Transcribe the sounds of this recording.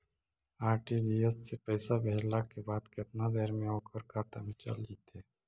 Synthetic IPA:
aːɾʈid͡ʒiːesːepəɪsabʱeɦlakebaːd̪kɪt̪nad̪eːɾmẽoːkəɾkaːt̪amẽt͡ʃə̰ld͡ʒiːt̪eː

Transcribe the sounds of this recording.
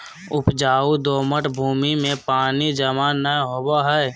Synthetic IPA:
ʊpd͡ʒaːud̪oːməʈbʱuːmimẽpaːnid͡ʒəmaːnːəɦoːbaɦɛː

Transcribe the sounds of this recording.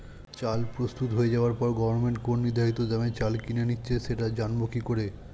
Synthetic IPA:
t͡ɕalpɾost̪ut̪ɦoed͡ʑaoaɾpɔɾɡɔbʱoɾmeɳʈkonniɾd̪ʱaɦit̪od̪ɛmet͡ɕalkinenitːɕʰeʃeʈad͡ʑanbokikoɾe

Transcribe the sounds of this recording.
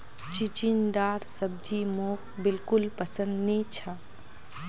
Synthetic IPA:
t͡ʃit͡ʃind̪aːɾsɐb̚d͡ʒimoːk̚bɪlkʊlpɐsə̃nd̪net͡ʃʰɐ

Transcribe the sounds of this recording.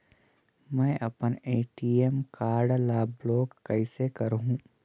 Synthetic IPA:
mɛ̃ːʔɐpəneːʈiemkaːɾɖlaːbloːkkɐɪsekɐɾɦũ

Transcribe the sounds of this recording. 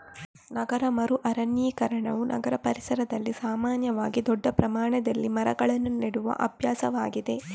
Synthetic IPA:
nɐɡɐɾɐmɐɾuʔɐɾɐɳjiːkɐɾɐɳɐʋunʔɐ̰ɡɐɾɐpɐɾisɐɾɐd̪ɐlːisaːmaːnjɐʋaːɡid̪ɔɖːɐpɾɐmaːɳɐd̪ɐlːimɐɾɐɡɐɭɐnːuniɽuʋɐ̰ʔɐbʱjaːsɐʋaːɡid̪e̞

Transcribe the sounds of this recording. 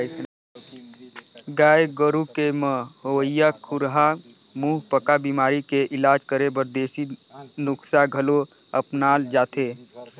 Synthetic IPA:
ɡaːjɡəɾukemə̃hoəjakʰuɾɦa | muɦpəkabimaːɾikeʔɪlaːd͡ʒkəɾebəɾd̪eːsinʊksaɡʱəlo | əpnaːld͡ʒaːt̪ʰe

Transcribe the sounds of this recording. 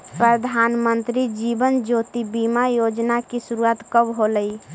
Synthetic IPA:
pɾəd̪ʱanmənt̪ɾid͡ʒibənd͡ʒot̪ibimajod͡ʒnakisuɾuat̪kəbɦoləi

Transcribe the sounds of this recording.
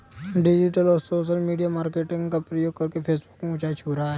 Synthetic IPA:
ɖɪd͡ʒɪʈəlɔːɾsoːʃəlmiːɖijamaːɾkeːʈɪ̃ŋɡkapɾəjoːɡ̚kɐɾkepʰeːsbʊkmeũːt͡ʃat͡ʃʰuːɾaɦɛː

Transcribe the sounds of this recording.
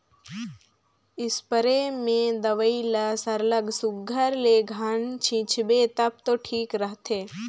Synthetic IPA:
ɪspəɾemẽd̪ɐʋəilɐsɐɾləɡsʊkɡʱəɾleɡʱant͡ʃʰĩt͡ʃʰbet̪ɐp̚t̪oːʈʰiːkɾəɦt̪ʰeː

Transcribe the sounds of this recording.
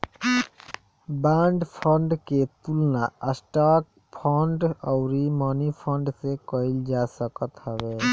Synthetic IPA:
baːɳɖpʰəɳɖket̪ulnaəsʈaːk̚ | pʰəɳɖɔʊɾimaːnipʰəɳɖsekəɪld͡ʒaːsəkət̪həbeː

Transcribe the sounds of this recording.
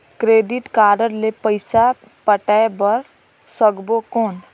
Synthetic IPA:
kɾeːɖɪʈkaːɾəɾlepəɪsa | pəʈaebəɾ | səɡbokoːn

